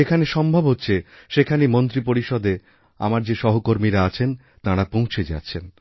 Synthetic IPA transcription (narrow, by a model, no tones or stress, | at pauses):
ekʰaneʃɔmbʱobɦotːɕʰeʃekʰanimont̪ɾipoɾiʃɔd̪e | a̰maɾd͡ʑeʃɔɦokoɾmiɾaat͡ɕʰen | t̪aɽapõw̃t͡ɕʰed͡ʑa̰tːɕʰen